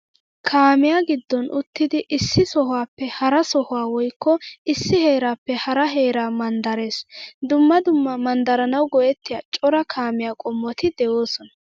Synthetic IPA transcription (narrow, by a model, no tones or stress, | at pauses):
kʰaːmɪjaːɡɪd̪ːɔnʔʊt̪ːɪd̪ɪʔɪsːɪsɔɦaːpːɛhɐɾɐsɔhʊwaːwɔjkːɔɪsːɪheːɾaːpːɛhɐɾɐɦe̞ːɾaːmɐnd̪ɐɾe̞ːsd̪ʊmːɐd̪ʊmːɐmɐnd̪ɐɾɐnɐwɡɔjɛt̪ːɪjat͡ʃʼɔɾɐkʰaːmɪjaːkʼɔmːɔt̪ɪd̪ɛjoːsɔnɐ̥